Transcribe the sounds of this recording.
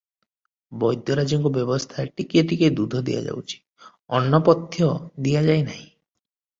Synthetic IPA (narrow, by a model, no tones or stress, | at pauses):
bɔjd̪ʱjɔɾad͡ʒɔŋkɔbjɔbɔst̪ʰaʈikiet̪iked̪ud̪ʱɔd̪ḭja̰d͡ʒa̰wt͡ʃʰi̥ | ɔnːɔpɔt̪jɔd̪iad͡ʒajnaɦĩ